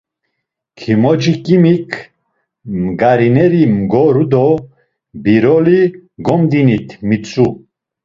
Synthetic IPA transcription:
kʰimɔd͡ʒikʼimikʰ | mɡaɾinɛɾimɡɔɾud̪ɔ | biɾɔliɡɔmd̪init̪ʰmit͡sʼu

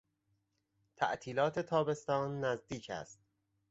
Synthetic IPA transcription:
t̪ʰæ̰ʔt̪ʰiːlɒːt̪ʰe̞t̪ʰɒːbe̞st̪ɒːnːæzd̪iːcʰæ̰st̪̚

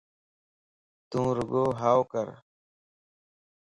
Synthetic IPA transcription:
t̪ũːɾuɡoːɦaːwkəɾ

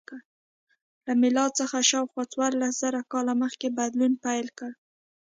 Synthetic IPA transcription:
kə | lamɪlɑd̪̚t͡səxaʃɑwxwɑt͡swɑɾlasz̥aɾakɑlaməxkebad̪lunpajlkəɽ

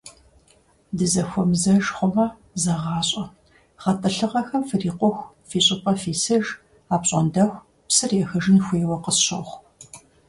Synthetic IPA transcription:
dɨzɐxʷɔmzɐʒχʷʊmɐ | zɐʁɑːɕʼɐ | χɐtʰʼɐɬɨʁɐxɐmfɨriːqʷɔxʷ | fiːɕʼɪpʼɐfiːsɐʒ | aːpɕʼɔndɐxʷ | psɨreːxɐʒɪnxʷeːwɐqəsɕɐxʷ

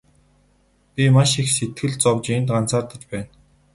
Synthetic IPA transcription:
pʲimaʃixset̪̚ɡɘ̆ɮt͡sɔwt͡ɕent̪ɢant͡saːrt̪ə̆t͡ɕpæːn

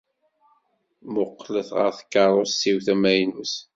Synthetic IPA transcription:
mʊqːləθʁə̰ɾθə̥kːɑɾˤosːiwθæmæjnus

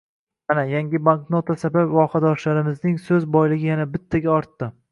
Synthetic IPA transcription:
anajaŋɡʲɪbaŋknot̪ʰasabapvɒqad̪ɒʃlaɾɪmɪznɪŋsɵzbɒjlɪɡʲɪjanabɪt̪ʰːaɡʲaɒɾt̪ːɪ

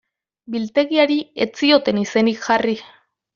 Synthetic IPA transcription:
bilt̪e̞ɣiaɾie̞t͡sio̞t̪e̞nise̞nikʝari

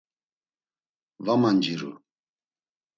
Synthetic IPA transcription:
vamand͡ʒiɾṵ

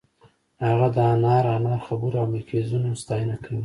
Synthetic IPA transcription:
haɣad̪əɑnɑɾɑnɑɾxabuɾawmɪɾkʰezunast̪ɑjənakʰawi

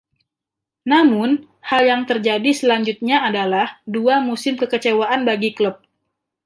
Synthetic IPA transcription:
namʊn | haljaŋt̪ərd͡ʒadisəlaɲd͡ʒut̪̚ɲaadalahduamusɪmkəkət͡ʃewaʔanbaɡikləp̚

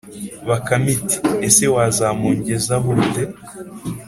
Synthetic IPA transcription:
βakamiti̥esewaːzaːmuːɲɟezaβute

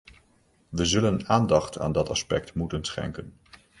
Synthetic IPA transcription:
ʋəzɵlənaːndɑχtʰa̰ːndɑtɑspɛk̚tmutənsχɛ̰ŋkən

